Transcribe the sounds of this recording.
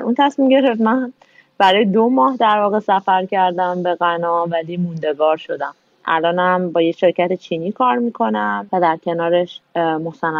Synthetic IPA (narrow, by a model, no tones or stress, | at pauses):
ɾunt̪ʰæsmimɟe̞ɾeft̪mæ | b̥æɾɒːjed̪omɒːhd̪æɾvɒːɣe̞sæfæɾcʰæɾd̪æmbe̞ɣænɒːvæliːmund̪e̞ɡɒːɾʃo̞d̪æm | ʔæ̰lɒːnhæmbɒːje̞ʃe̞ɾcæt̪et͡ʃʰiːniːkʰɒːɾmiːkʰo̞nævæd̪æɾcʰe̞nɒːɾe̞ʃmosænː